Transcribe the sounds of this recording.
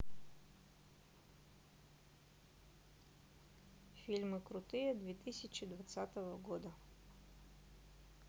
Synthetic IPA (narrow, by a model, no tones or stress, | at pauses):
fʲilʲmɨkɾʊt̪ɨjɛd̪vʲɛt̪ɨsʲɪt͡ɕɪd̪vɐt̪sat̪əvəɡɔd̪ə